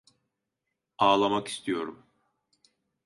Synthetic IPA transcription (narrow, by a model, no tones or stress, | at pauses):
aːlˠamaki̥st̪ʰijo̞ɾṵm